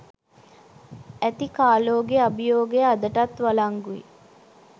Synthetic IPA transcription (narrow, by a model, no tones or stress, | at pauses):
æt̪ikaːloːɡeabijoːɡead̪əʈat̪ʋalaŋɡuḭ